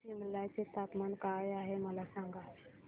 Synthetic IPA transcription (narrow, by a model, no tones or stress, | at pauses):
iməlːajt͡set̪at̪mankaːjaːɦeməlasãŋɡa